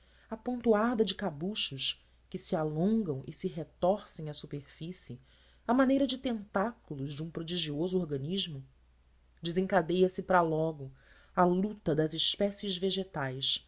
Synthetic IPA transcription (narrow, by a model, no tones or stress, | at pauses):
ɐpõnt̪uaɾd̪ɐd͡ʒɪkabuʃʊʃ | kɪsialõŋɡɐ̃w̃ʔɪ̰siɦet̪ɔɾsẽj̃ɐsupeɾfisɪ | ɐmanejɾɐd͡ʒɪt̪ẽnt̪akulʊʒd͡ʒɪũpɾod͡ʒiʒiozʊoɾɡɐniʒmʊ | d͡ʒɪzĩŋkad̪ejɐsɪpɾɐlɔɡʊ | alut̪ɐd̪ɐzɪʃpɛsɪzveʒet̪ajs